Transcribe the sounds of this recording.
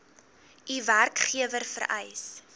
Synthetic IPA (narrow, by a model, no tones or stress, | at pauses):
iværkχiəvərfə̰ɾɛ̰js